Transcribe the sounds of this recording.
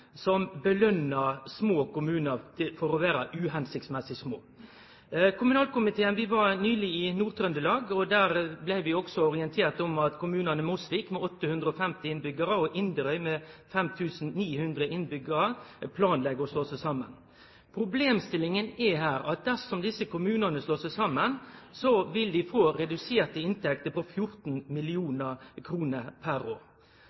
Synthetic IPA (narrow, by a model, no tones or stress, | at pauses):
sɔmbəlœnəsmoːkʊmʉːnət̪ʰɪfɔɾɔʋæːɾəʔʉːɦɛnsɪk̚t̪smɛsɪsmo̰ː | kʰʊmʉnɑːlkʊmɪt̪ʰeːənʋɪʋɑɾnyːlɪɪnuːʁt̪ʰɾœnd̪əlɑːɡɔd̪æːɾblæɪʋɪɔksɔɔʁɪənt̪ʰeːɾt̪ɔmɑt̪kʰʊmʉːnənəmʊsʋikmɛɔt̪ːəhʉnd̪ɾəɔfɛmt̪ɪɪnbʏɡəɾəɔʔɪnd̪əɾœʏmɛfɛmt̪ʰʉːsn̩niːhʉnd̪ɾəʔɪnbʏɡəɾəpʰlɑːnlɛɡəɔsloːsəsɑmːə̰n | pʰɾʊbleːmst̪ɪlɪŋənɛɦæːɾɑt̪̚d̪æsɔmd̪ɪsːəkʊmʉːnənəsloːsæsɑmːənsɔʋɪld̪ɪfoːɾɛd̪ʉseːɾt̪əɪnt̪ʰɛk̚t̪əpɔfjʊɾt̪nmɪlɪuːnəɾkʰɾuːnəɾpʰæɾoːɾ